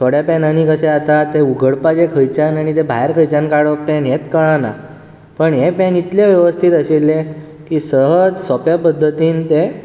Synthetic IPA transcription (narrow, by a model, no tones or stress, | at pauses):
t̪ʰoɽjapɛnaniːkəseat̪at̪euɡʱəɽpad͡ʑekʰəjt͡ɕanaɽ̃it̪̬ebʱajeɾkʰəjt͡ɕankaɽəkpenɦet̪kəɭ̃ana̰ | pəɳɦepẽnit̪leʋjəʋəst̪ʰiːt̪əselːe | kiːsəɦəd͡zsɔpjapəd̪ʱːət̪iːnt̪e